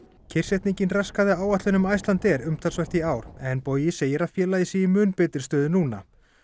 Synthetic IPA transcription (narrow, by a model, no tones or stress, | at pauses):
cʰɪr̥sɛht̪niɲcɪnraskaðɪaːwaht̪lʏnʏmajst̪lant̪ɛɾʏmt̪ʰalsvɛr̥t̪iaːwɾ̥ɛnpoːjɪseːjɪɾaðfjɛːlajɪsɪɪmʏːnpɛːt̪ɪ̥st̪œːðɪnuːna